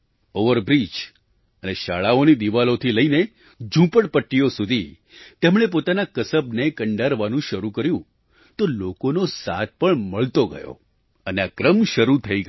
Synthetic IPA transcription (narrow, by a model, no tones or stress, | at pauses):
oʋəɾbɾit͡ʃ | əneʃaɭaonid̪iʋalot̪ʰiləine | d͡ʒũpəɽpəʈːijosud̪ʱi | t̪emɳ̃ep̬ot̪anakəsəbnekəɳɖaɾʋanũʃəɾukəɾjũ | t̪olokonosat̪̚pəɳməɭt̪oɡə̰jo̰ | əneakɾəmʃəɾut̪ʰəi